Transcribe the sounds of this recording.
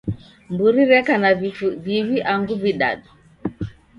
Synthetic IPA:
mbuɾiɾɛkanaviβiʔaŋɡuviɗa̰ɗu

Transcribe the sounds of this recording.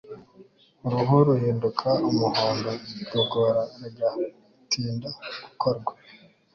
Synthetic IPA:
uɾuɦuɾuhiːndukʰaumuhoːndoɡoɡoɾaɡa | tʰiːndaɡukʰoɾɡwa

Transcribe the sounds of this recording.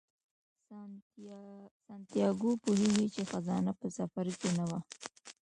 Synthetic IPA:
sant̪ijɑɡopuɦeɡit͡ʃexazɑnapəsafaɾkenawa

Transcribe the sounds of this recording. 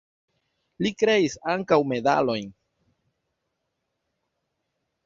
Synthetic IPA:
likɾe̞isaŋkawme̞da̰lo̞jn

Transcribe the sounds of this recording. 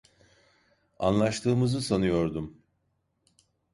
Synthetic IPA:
a̰nlˠaʃt̪ʰɯːmɯzɯsanujo̞ɾd̪um

